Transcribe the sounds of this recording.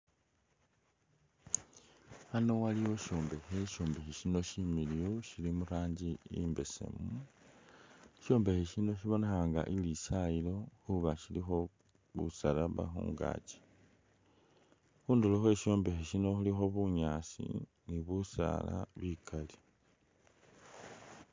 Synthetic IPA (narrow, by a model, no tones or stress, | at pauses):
ano̞waliwo̞ʃo̞ːmbe̞xe̞ʃo̞ːmbexiʃino̞ʃimilijoʃilimuɾaːɲd͡ʒiḭmbe̞se̞̰mu | ʃo̞ːmbe̞xeʃino̞ʃiβo̞ne̞xaŋɡa̰ʔilisailo̞xuβaʃilixo̞ | βṵsalaβa̰xṵːŋɡa̰ːt͡ʃe̥ | xuːnduloxwe̞ːʃo̞ːmbe̞xeʃino̞xulixo̞βuɲaːsḭ | niβusa̰la̰βikʰali̥